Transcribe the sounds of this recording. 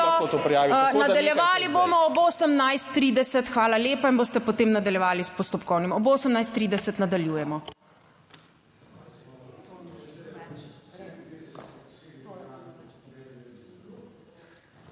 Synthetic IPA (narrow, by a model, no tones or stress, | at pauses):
ɔot̪opɾijaʋnad̪alljɛʋaːliboːmɔɔboːsəmnajst̪ːɾid̪ɛsət̪xʋaːlaleːpainboːst̪ɛpɔt̪eːmnad̪ɐljɛʋaːlispɔst̪ɔpkɔwnimɔboːsəmnajst̪ːɾiːd̪ɛsət̪nad̪aljuːjɛmɔ